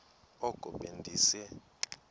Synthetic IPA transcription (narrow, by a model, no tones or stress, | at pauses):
ɔkʼɔɓendʱiːsɛ